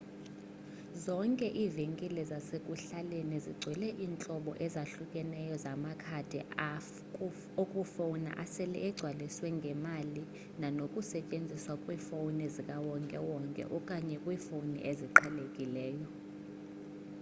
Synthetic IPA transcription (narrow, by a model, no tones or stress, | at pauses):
zɔŋkʼɛʔiːviŋkʼilɛzasekʼuɬaleniziɡ͡ǀʱwɛlɛʔiːnt͡ɬʼɔɓɔ̰ʔɛzaɬukʼɛnɛjɔzamakʰad̥ʱɛa | okʼufowna̰ʔasɛlɛ̰ʔɛɡ͡ǀʱwaliswɛŋɡʱɛmali | nanokʼusɛcʼend͡zʱiswakʼwiːfownɛzikʼawɔŋkʼɛwɔŋkʼɛ̰ʔɔkʼaɲɛkʼwiːfownḭʔeziǃʰɛlekʼilɛːjɔ